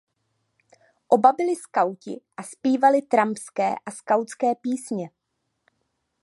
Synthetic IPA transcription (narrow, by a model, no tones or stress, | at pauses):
ʔo̞babɪlɪskawcɪ̰ʔaspiːvalɪt̪ɾampskɛ̰ːʔaskawt͡skɛːpiːsɲɛ